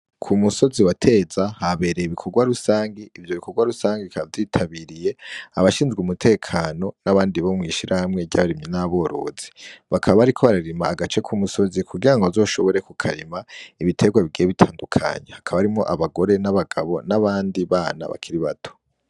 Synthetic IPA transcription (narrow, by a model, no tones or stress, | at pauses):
kʰumuso̞ziwatʰe̞zahaβe̞ːɾeiβikʰo̞ɡwaɾusaːŋɡiivjo̞βikʰoɡwaɾusaːŋɡiikavdiːtʰaβiːɾije̞aβaʃiːnzɡumutʰe̞ːkʰano̞naβaːndiβo̞mŋiːʃiɾahamŋe̞ɟaβaɾimɲenaβo̞ɾo̞̰ːz̥i̥βakʰaβaβaɾikʰo̞βaɾaɾimaːɡat͡ʃe̞kʰumuso̞zikʰuɡiɾaŋɡoazo̞ːʃo̞βo̞ɾe̞kukʰaɾimaiβitʰe̞ɡwaβiɡieβitʰaːndukʰa̰ɲe̞hakʰaβaβɾimŋo̞ʔaβaɡo̞ɾe̞naβaɡaβo̞naβaːndiβaːna̰βa̰kʰiɾiβatʰo̥